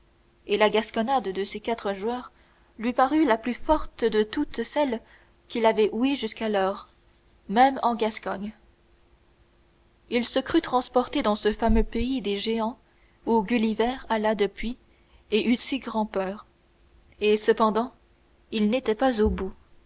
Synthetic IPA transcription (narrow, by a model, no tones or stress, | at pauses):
elaɡaskɔnad̪d̪əsekat̪χəʒwœːʁ | lɥipaʁylaplyfɔʁt̪əd̪ət̪ut̪sɛl | kʲilavɛʔueʒyskalɔːʁ | mɛmɑ̃ɡaskɔɲ | ilsəkχyt̪χɑ̃spɔʁt̪ed̪ɑ̃səfamøpeid̪eʒeɑ̃ | uɡʲylivɛʁalad̪əpɥi | eʔysiɡʁɑ̃pœːʁ | esəpɑ̃d̪ɑ̃ | ilnet̪ɛpazobu